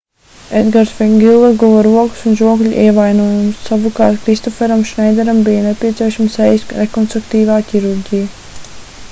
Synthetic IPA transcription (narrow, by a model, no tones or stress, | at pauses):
ed̪ɡaɾsfiɡʲilˠvaɡuvɔɾuɔku̥sunʒuɔɡlʲʔiɛvajnuɔːjumsːavukɑːɾt̪kɾist̪ɔfɛɾamʃnɛjd̪ɛɾambijanepʲiɛt̪siɛʃamsɛjsɾekɔnst̪ɾuk̚t̪iːvaːkʲiɾuɾɡʲija